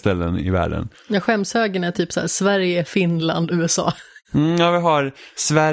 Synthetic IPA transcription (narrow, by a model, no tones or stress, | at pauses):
t̪ɛlːənɪ̰væ̰ːɖə̰n | jaːɧɛmshøːɡəɳæʈʰyːpsæ̰ːʂvæɾjəfɪnla̰nd̪ʉ̟ːɛsɑ̰ːm̩jaːvɪɦaɾsvæ